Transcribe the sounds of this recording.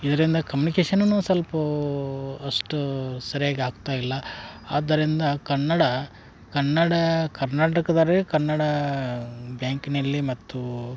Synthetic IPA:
id̪ɐɾind̪ɐkɐmjuːnikeːʃɐnnuːsɐlpɐ | ɐʂʈusɐɾijaːɡeaːɡ̚t̪aːjilːɐa̰ːd̪ɐɾind̪ɐkɐnːɐɽɐ | kɐnːɐɽɐkɐɾnaːʈɐkɐd̪aɾekɐnːɐɽɐ | bjaːŋkinɐlːimɐt̪ːu

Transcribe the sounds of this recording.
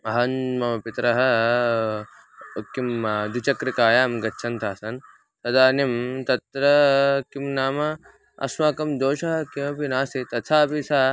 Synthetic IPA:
ɐɦɐnmɐmɐpit̪ɾɐɦɐ | kimad̪ut͡ʃɐkɾikaːjaːmɡɐtːʃʰɐnt̪ʰaːsɐn | t̪ɐd̪aːnimt̪ɐt̪ɾɐkimnaːmɐ | ɐ̰smaːkɐmd̪oːʃɐɦɐkiɐpinaːsit̪ɐt̪sʰaːbisaː

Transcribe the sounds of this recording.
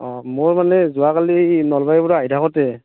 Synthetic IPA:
ɔmʊɹmanɛzʊwakalinɔlbajbuɹaajtʰakɔtɛ

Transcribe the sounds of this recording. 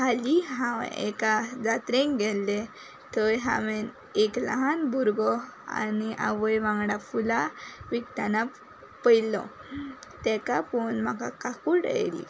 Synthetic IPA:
kaliɦãʋ̰ɛ̰kad͡zat̪ɾẽŋkɡɛlːe | t̪əjɦã̰ʋen | ekla̰ɦanbʱuɾɡɔa̰niʔa̰ʋəjʋãŋɡɽafulaʋikt̪ana | pəjlɔ̰ | t̪ɛkapɔnm̤aka̰kakuɽḛjlḭ

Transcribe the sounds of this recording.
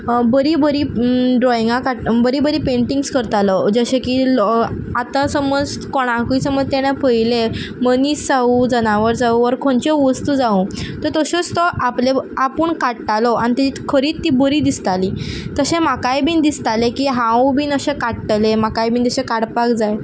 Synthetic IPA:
bəɾiːbəɾiːɖɾɔjiŋɡãkaʈbəɾiːbəɾiːpeɳʈiŋɡskəɾt̪alɔd͡zəɕekiːl | at̪asəmɔd͡zt̪koɽ̃ãkisəməd͡zt̪eɽ̃japəjleməniːsd͡zaud͡zəñaʋəɾd͡zauʋəɾkʰõɳt͡ɕeʋəst̪uːd͡zaũt̪əɾt̪əɕost̪ɔʔapleapuːɳkaʈʈ̪alɔañit̪it̪kʰəɾiːtt̪ːibəɾiːd̪ist̪aliːt̪əɕẽmakajbiːnd̪ist̪alekiːɦãwbiːnəɕekaʈʈlemakajbiːnd̪əɕẽkaɽpakd͡zaj

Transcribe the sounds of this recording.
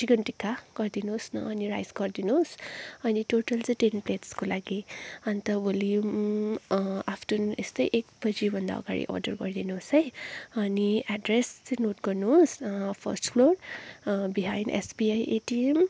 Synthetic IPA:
iɡʌntikakɔɹd̪inusnɔ̰ːniɹa̰jskɔɹd̪inusʌnitotəlzetenpletskolaɡiant̪awilium | apʰtunestəjʔek̚bəzibʱʌnd̪a̰ɔ̰ka̰ɹḭʔɔ̰ɹdə̰ɹkɔɹd̪inusejʌniadɹeszenot̚kɔɹnuspʰɔ̰stpʰloɹ | biɦãjndḛsbiajetiɛm

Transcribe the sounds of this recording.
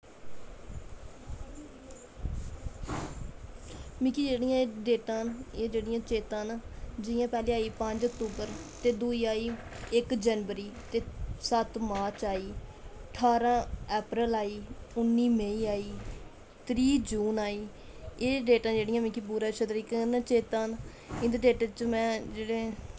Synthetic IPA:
mikiːd͡ʒeːɽɪjãːɖeːʈãːeːd͡ʒeːɽɪjãːt͡ʃeːt̪ãːnd͡ʒɪjãːpɛːlẽːaːiːpə̃ɲd͡ʒəkt̪uːbəɾt̪eːd̪uːiːaːiː | ɪkd͡ʒənʋəɾiːt̪eːsət̪maːɾt͡ʃaːiː | əʈʰaːɾãːɛːpɾəlaːiːʊnːiːmeiːaːiː | t̪ɾiːd͡ʒuːnaːiː | eːɖeːʈãːd͡ʒeːɽɪjãːmikibuːɾãːt͡ʃəd̪ɾiknt͡ʃeːt̪ãːn | ɪ̃nd̪ɖeːʈːt͡ʃmɛ̃ːd͡ʒeːɽeː

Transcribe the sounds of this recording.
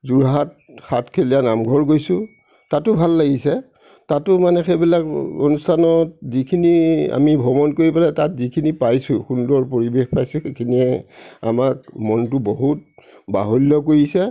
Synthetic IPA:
zuɹɦat̚ | xatkʰelijanamɡʱɔɹɡojsʊ̃ | tatːʊbʱalːaɡisɛ | tatʊmanɛxebilako̰nustʰanɔt̚zikʰinia̰mibʱɔmɔnkoɹipalɛtatzikʰinipajsʊxundɔɹpoɹibexpajsʊ̃xekʰiniɛa̰mak̚mɔntʊboɦut̚ | ba̰ɦolːɔkoɹisɛ

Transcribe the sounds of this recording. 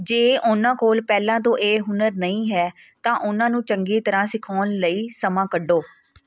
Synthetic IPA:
d͡ʒeːʔʊnãːkʰoːlpɛːlãːt̪õːʔeːɦʊnəɾnəĩːɦɛːt̪ãːʔʊnãːnũːt͡ʃəŋɡeːt̪əɾãːsɪkʰɔːnləiːsəmãːkəɖoː

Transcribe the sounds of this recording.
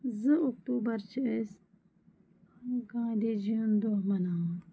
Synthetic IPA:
zɨokʈuːbɐɾt͡ʃʰiəs | ɡãːd̪ed͡ʒind̪oɦmɐnaː

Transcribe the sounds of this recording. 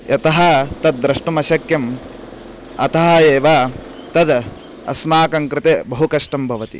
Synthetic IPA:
jɐt̪ɐɦɐt̪ɐd̪ːɾɐʂʈumɐʃɐkjɐm | ɐ̰t̪ɐɦɐeːʋa | t̪ɐd̪ | ɐ̰smaːkɐŋkɾɪt̪eːbɐɦukɐʂʈɐmbʱɐʋɐt̪ḭ

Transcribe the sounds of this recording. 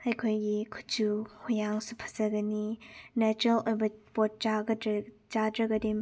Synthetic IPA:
ɐjkʰojɡikʰu̥td͡ʒuhujaŋsupʰɐ̥zɐɡɐninɛt͡ʃuɾɐlojbɐpɔt̚t͡ʃaɡɐd | t͡ʃadɾɐɡɐdim

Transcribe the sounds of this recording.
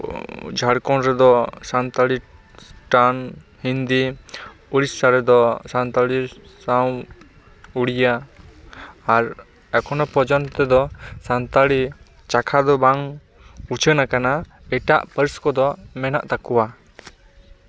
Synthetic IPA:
d͡ʒʱaɽkɔnɾɛd̪ɔsant̪aɽi | sʈanhind̪i | uɾisːaɾɛd̪ɔsant̪aɽisaw | uɽija | ɾ | ɛkʰɔnɔpɔd͡ʒɔnt̪ɛd̪ɔsant̪aɽi | t͡ʃakʰad̪ɔbaŋ | uɾt͡ʃʰənakana | ɛʈa̰ʔpəɾskɔd̪ɔmɛna̰ʔt̪akuwa

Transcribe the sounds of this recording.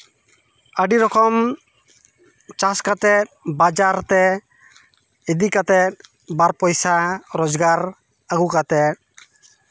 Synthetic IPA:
əɖiɾɔkɔm | t͡ʃaskat̪ɛt̪̚bad͡ʒaɾt̪ɛ | id̪ikat̪ɛt̪̚ | baɾpɔjsaɾɔd͡ʒɡaɾ | aɡukat̪ɛt̚

